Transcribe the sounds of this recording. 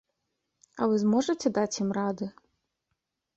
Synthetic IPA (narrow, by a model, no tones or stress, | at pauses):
ɐvɨzmɔʐɐtʲɛd̪at͡sʲjimrad̪ɨ